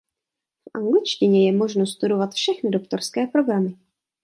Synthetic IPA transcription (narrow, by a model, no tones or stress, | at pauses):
fʔaŋɡlɪt͡ʃcɪɲɛjɛmo̞ʒnost̪udo̞vat̪fʃɛxnɪdo̞kt̪o̞ɾskɛːpɾo̞ɡɾamɪ